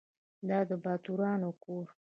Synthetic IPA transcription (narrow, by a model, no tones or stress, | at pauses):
d̪ɑd̪əbɑt̪uɾɑnokoɾ